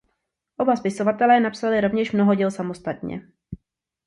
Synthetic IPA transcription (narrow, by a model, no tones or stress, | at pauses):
ʔobaspɪsovat̪ɛlɛːnapsalɪɾo̞vɲɛʃmno̞ɦoɟɛlsamo̞st̪at̪ɲɛ̰